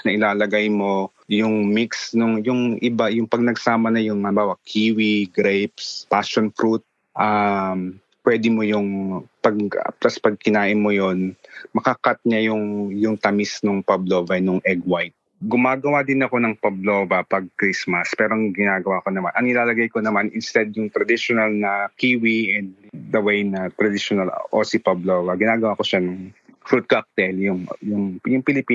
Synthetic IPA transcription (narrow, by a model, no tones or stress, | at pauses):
nɐʔɪlaːlɐɡajmo̞ | jʊŋmiksnʊŋjʊŋʔɪbajʊŋpɐɡ̚nɐɡsaːmɐnɐjʊŋmɐɐbaːwɐkʰːiːwiɡɾɛjpspaʃonfɾut̪̚ | ʔam | pwɛːd̪ɪmo̞jʊŋpɐɡ̰plɐspɐɡ̚kɪnaːʔɪmːojonmɐkɐkat̪̚ɲajʊŋjʊŋt̪ɐmɪsnoŋpɐbloːvɐnʊŋʔɛɡwajt̪̚ | ɡʊmaːɡɐwad̪ɪnɐko̞nɐŋpɐbloːvɐpɐɡ̚kɾismɐspɛːɾoŋɡɪnaːɡɐwakonɐma̰nʔɐŋɪlaːlɐɡajkonɐmanʔɪnst̪ɛd̪̚jʊŋt̪ɾɐd̪iʃonɐlnɐkiːwiʔɛnd̪̚d̪ɐwejnɐt̪ɾɐd̪ɪʃonɐlʔo̰sipɐblovɐɡɪnaːɡɐwako̞ʃanɐŋfɾut̪̚kak̚t̪ɛljʊŋjʊŋjʊŋpɪlɪpiː